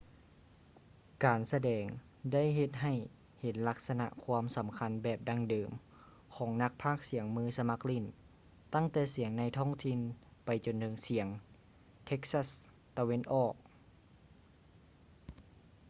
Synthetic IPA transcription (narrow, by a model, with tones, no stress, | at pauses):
kaː˨˩nsa˧dɛː˨˩ŋ | da˥˩jɦe˧t̪̚ɦa˨˩j | he˨˩˦nla˧˥k̚sa˧na̰˧ʔkʰwuː˧˥msa˨˩˦mkʰa˧˥nbɛː˨˩p̚da˧ŋdɤː˨˩m | kʰɔː˩˦ŋna˧˥k̚pʰaː˥˩k̚si˨˩˦əŋmɯː˧˩˨sa˧ma˧˥k̚li˧˩˨n | t̪a˥˩ŋt̪ɛː˧˩si˩əŋna˧˥jt̪ʰɔː˥˩ŋt̪ʰi˧˨npa˨˩jt͡ɕo˨nt̪ʰɤː˧ŋsi˨˩˦əŋ | t̪ʰe˧˥k̚sa˧˩s | t̪a˧we˧˥nʔɔː˧˩k̚